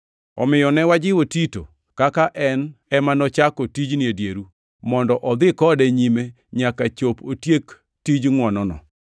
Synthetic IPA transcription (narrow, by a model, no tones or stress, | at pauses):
ɔ̰mɪjɔnɛwad͡ʒɪwotito̰ | kakaʔɛnɛmanɔt͡ʃakotid͡ʒnɪedjeɾu | mɔndɔʔɔd̪ɪkɔdɛɲime | ɲakat͡ʃopotjek | tid͡ʒŋwɔnɔnɔ̰